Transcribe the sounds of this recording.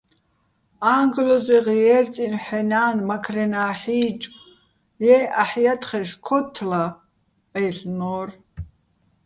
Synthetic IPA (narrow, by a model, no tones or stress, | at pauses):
aŋɡlɔzɛʁijɛrt͡sʼinħɛnaːnmakʰrɛnaːħiːt͡ʃʼ | jɛaħjat̪ʰʼχɛʃkʰɔt̪ʰːla | ɛjɬnɔːr